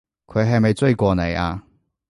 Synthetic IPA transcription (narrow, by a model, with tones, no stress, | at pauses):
kʰɵ˨˧ɥɦɐ˨jmɐ˨jt͡sɵ˥˧kʷɔː˧nḛ˨jʔaː˧